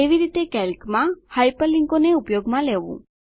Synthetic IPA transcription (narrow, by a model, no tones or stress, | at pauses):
eʋiɾit̪ekɛlkmãhajpəliŋkoneupjoɡmãleʋṵ̃